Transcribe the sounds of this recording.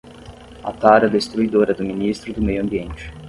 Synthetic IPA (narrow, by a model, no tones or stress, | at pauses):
a̰t̪aɾɐd̪est̪ɾuid̪oɾɐd̪ʊminist̪ɾʊd̪ʊmejʊɐ̃mbiẽnt͡ʃɪ̥